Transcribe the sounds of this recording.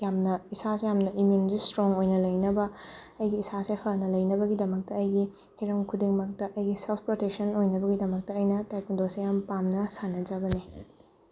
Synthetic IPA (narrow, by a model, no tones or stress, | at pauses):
jamnɐisasejamnɐʔimjunzistɾoŋojnɐlɐjnɐbɐ | ɐjɡiːsasepʰɐnɐlɐjnɐbɐɡidɐmɐk̚tɐɐjɡi | hiɾɐmkʰudiŋmɐk̚tɐʔɐjɡiselpʰpɾotek̚sɐnojnɐbɐɡidɐmɐk̚tɐːjnɐtajkundosejampamnɐsanːɐd͡ʒɐɡɐni